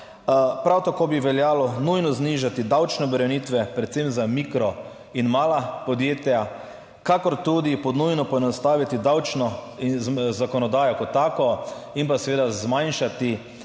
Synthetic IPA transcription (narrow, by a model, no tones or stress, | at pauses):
pɾawt̪akoːbiʋɛljaːlɔnujnɔzniʒat̪id̪awt͡ʃnɛbɛɾɛnit̪ʋɛpɾɛt̪semzamikɾɔ | inmaːlapɔd̪jeːt̪ja | kakɔɾt̪ud̪ipɔd̪nujnɔpɔɛnɔst̪aːʋit̪id̪awt͡ʃnɔizzakɔnɔd̪aːjɔkɔt̪ːaːkɔinpasɛʋeːd̪azmajnʃat̪i